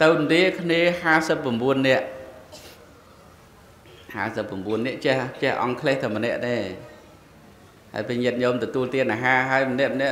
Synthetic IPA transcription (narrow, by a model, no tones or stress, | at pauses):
t̪ɨwnɗiəkʰniəhaːsəpːramɓuənːɛ̆əʔ | ha̰ːsəpːɑmɓuənːɛ̆əʔt͡ɕɛht͡ɕɛ̆əhʔɑ̰ŋkʰleːht̪ʰɨwmənɛ̆əʔɗeː | ha̰əpiɲiət̪̚ɲoːmt̪ɔt̪uəlt̪iənʔaːɦaːɦaəjmənɛ̆əʔmənɛ̆əʔ